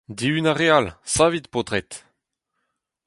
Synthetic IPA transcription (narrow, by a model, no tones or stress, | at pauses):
d̪iynaʁealsavit̪pod̪ʁɛt̪